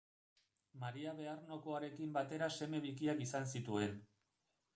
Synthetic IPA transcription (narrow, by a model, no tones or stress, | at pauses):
maɾiaβe̞arno̞ko̞aɾe̞kimbat̪e̞ɾase̞me̞βikiakisansit̪ue̞n